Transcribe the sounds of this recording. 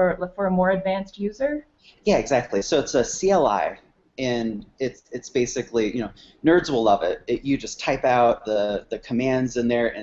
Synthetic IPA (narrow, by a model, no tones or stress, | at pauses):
əfə˞əmɔɹɨdvæ̃nst̚jʉzə˞ | jæɨɡzæk̚tʰˡlisoʊɨtsɨsiɛlˠa̰ɪ | ɨ̃nɪtsɨtsb̥eɪsɨklijɨnoʊ | nɜ˞dzwəlˠlʌvɪ̰t̚ɪjɨd͡ʒʌstʰaɪpaʊt̪̚ðəðɨkʰəmæ̃ndzɨ̃nðə˞ɨ̰̃